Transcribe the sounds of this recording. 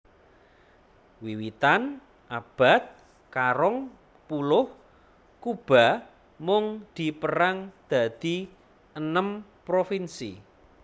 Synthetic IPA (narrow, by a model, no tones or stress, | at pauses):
wiwit̪an | ʔab̥a̤t̪̚ | kaɾʊŋ | pulʊh | kub̥a̤ | mʊŋd̪̥i̤pəɾaŋd̪̥ä̤d̪̥i̤ | ʔənəmpɾofinsḭ